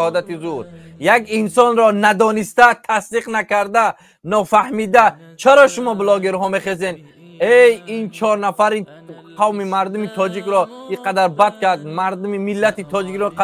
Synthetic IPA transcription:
hɔd̪at̪izuɾ | jakinsɔnɾɔnad̪ɔnist̪at̪ʰasd̪iqnakaɾd̪a | nɔfahmid̪a | t͡ʃʰaɾɔʃumɔblɔɡeɾɦɔme̞χeze̞n | ejint͡ʃʰɔɾnafaɾi | qʰavmimaɾd̪umit̪ʰɔd͡ʒikɾɔiqʰad̪aɾbad̪̚kad̪̚maɾd̪umimilːat̪it̪ʰɔd͡ʒikɾɔqa

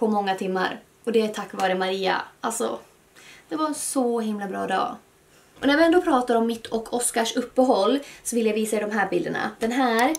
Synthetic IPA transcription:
pʰɔmɔŋːat̪ʰɪmːa̰ɾ | ɔd̪ɛæt̪ʰakːvɑːɾəmaɾiːa̰ʔalsɔ̰ | d̪̥ɛvaɾɛnsɔɦɪmlabɾɑːd̪ɑ̰ː | ʔɔnæɾvɪɛnd̪oːpʰɾɑːt̪aɾɔmːɪt̪ʰːɔkːʰɔskaʂɵpːəɦɔlːsɔvɪljaviːsaɛɪd̪ɔmɦæːɾbɪld̪əɳa̰d̪̥ɛnɦæːɾ

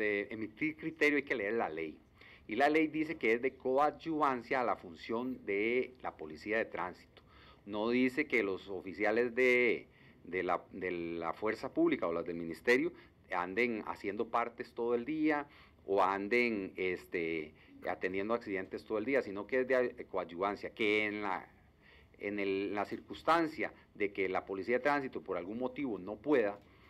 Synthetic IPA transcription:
eemit̪iɾkɾit̪e̞ɾjoajke̞le̞eɾlale̞j | ilale̞jd̪ise̞keezd̪e̞koβat̪d͡ʒuβansjaːlafunsjo̞nd̪e̞la̰po̞lisiaðe̞t̪ɾansi̥t̪o̥ | no̞ðise̞ke̞lo̞sofisjale̞zd̪e | d̪elad̪ea̰fwe̞ɾsapuβlikaolazd̪elmĩnist̪e̞ɾjo | a̰nd̪e̞ŋa̰sje̞nd̪o̞paɾt̪e̞st̪o̞ð̞oeld̪ia | oand̪e̞ŋest̪e | a̰t̪end̪je̞nd̪oaksiðe̞nt̪est̪ooeliasino̞keezd̪ekwad͡ʒuβansjake̞nla̰ | ḛnellasiɾkust̪ansja | ðe̞kelapo̞lisiaðet̪ɾans̬it̪opo̞ɾalɡuŋmo̞t̪iβo̞no̞pwe̞ð̞a

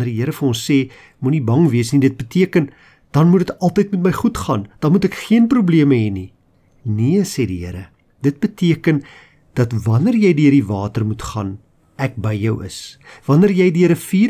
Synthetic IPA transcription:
nərdiɦəɾəfərɔ̃nsːeː | munibɐŋviəsnidət̚bətiəkən | d̥ɐnmudətɐlˠtəjtmɛtməjχutχɑːnd̥ɑnmutækχiənprubliəməɦɛni | niəsediɦəɾə | d̥ət̚bətiəkən | d̥ɐtvɐnərjɛjdiərdivɑːtərmutχɑ̰ːn | æk̚bəjjœwə̰svɐnərjɛjdiəɾəfiː

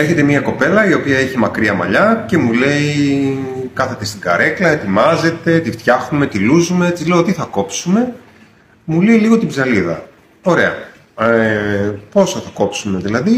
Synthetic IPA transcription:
eçe̞t̪e̞miɐko̞pe̞lɐio̞piɐeçimɐkɾiɐmɐ̰ʎɐce̞mule̞i | kɐθe̞t̪e̞st̪iɡɐ̰ɾe̞klɐet̪imɐze̞t̪e̞t̪ift̪çɐxnume̞t̪iluzume̞et͡sizle̞ot̪iθɐko̞psume̞ | muleiliɣo̞t̪ibzɐliðɐ̰ | o̞ɾe̞ɐ̰ | po̞sɐθɐko̞psume̞ðilɐði

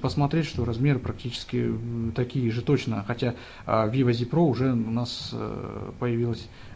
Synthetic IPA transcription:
pəsmɐt̪ɾʲetʲʂt̪o̞ɾɐzmʲe̞ɾɨpɾɐk̚tʲit͡ɕɪ̥skʲɪt̪ɐkʲijəʐɨt̪o̞t͡ɕnəxɐtʲa | vʲivəzʲɪpɾoʊʐɛʊnas | pəjɪvʲilˠəsʲ

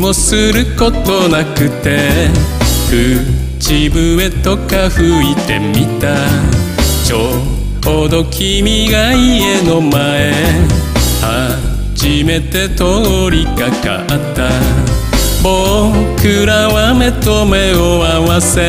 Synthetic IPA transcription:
mo̞sɨɾɯ̟ko̞t̪o̞nakɯ̟t̪ːe̞ | ɸɯ̟ | t͡ɕibɯ̟e̞t̪o̞kaɸɯ̟it̪e̞mʲit̪a | t͡ɕo | od̪o̞kʲʰimʲiɡaie̞nomae̞ | ha | d͡ʑime̞t̪e̞t̪ooɾʲikaka̰ʔat̪ːa | bokɯɾaβame̞t̪o̞me̞oawase

